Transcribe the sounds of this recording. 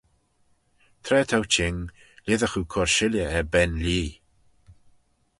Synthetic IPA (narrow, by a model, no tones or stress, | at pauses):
t̪ʰɾɛːt̪ʰawt͡ʃʰɪŋ | lɪðəxukʰɔɹʃɪljəɛbɛnliː